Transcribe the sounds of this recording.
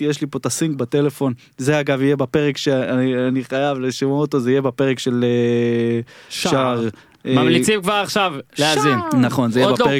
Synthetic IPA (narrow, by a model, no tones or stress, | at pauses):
jeʃlipo̞t̪asiŋɡbat̪e̞le̞fo̞n | zeaɡavijebape̞ʁekʃeaianiχajavleʃimoot̪ozeijebapeʁekʃe̞le | ʃʃaʁ | mamlit͡simkvaʁaχʃavznaχo̞nzeijebpee